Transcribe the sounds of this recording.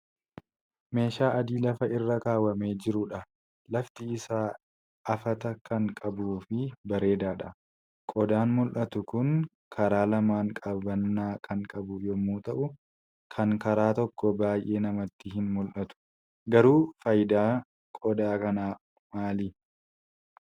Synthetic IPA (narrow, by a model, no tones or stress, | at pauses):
me̞ːʃaːʔɐd̪iːlɐfɐʔɪrːɐkaːwɐme̞ːd͡ʒɪɾʊᶑɐ | lɐft̪ɪɪsaː | ʔɐfɐt̪ɐkɐŋkʼɐbuːfɪbɐɾe̞ːd̪aːᶑɐ | kʼɔd̪aːnmʊlʔɐt̪ʊkʊŋ | kʰɐɾaːlɐmaːŋkʼɐbɐnːaːkʰɐŋkʼɐbʊjɔmːuːt̪ɐʔʊ | kʰɐŋkɐɾaːt̪ɔkːɔbaːjʔe̞ːnɐmɐt̪ːɪhɪnmʊlʔɐt̪ʊ̥ | ɡɐɾuːfɐjd̪aː | kʼɔd̪aːkɐnaː | maːliː